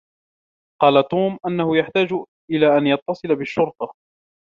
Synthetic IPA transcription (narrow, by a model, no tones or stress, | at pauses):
qɑːlat̪uːmʔanːahʊjaħt̪aːd͡ʒ | ʔɪlaːʔanjɑt̪ˤːɑsˤɨlabɪʃːʊɾt̪ɑ